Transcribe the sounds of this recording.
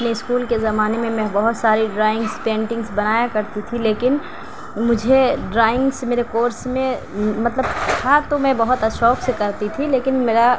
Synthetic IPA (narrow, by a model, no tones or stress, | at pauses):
ɐpneɪskuːlkezɐmaːnemẽmɛ̃bɐɦʊt̪saːɾiɖɾaːɪ̃ŋɡspẽːɳʈɪ̃ŋɡsbɐnaːjakɐɾt̪it̪ʰileːkɪn | mʊd͡ʒʱeɖɾaːɪ̃ŋɡsmeːɾekoːɾsmẽ | mɐt̪ləbt̪ʰat̪omɛ̃bɐɦʊt̪ɐʃɔːksekɐɾt̪it̪ʰileːkɪnmeːɾa